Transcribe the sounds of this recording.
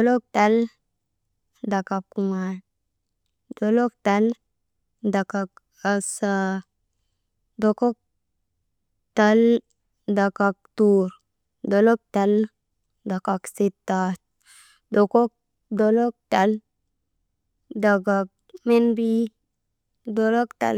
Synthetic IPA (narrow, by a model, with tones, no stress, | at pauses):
o˨lo˦k̚ta˦l | da˨ka˨kku˨ŋa˨n | do˨lo˦k̚ta˨˦l | da˨ka˧k | a˧sa˧ | do˨ko˦k̚ | ta˦l | da˨ka˧k̚tuɾ | do˨lo˦k̚ta˨l | da˨ka˨ksi˧t̪ːa˦t | do˨ko˦k̚ | do˧lo˦k̚ta˨l | da˨ɡa˨k̚ | me˦nbi˦ | do˧˦lo˦kta̰˨l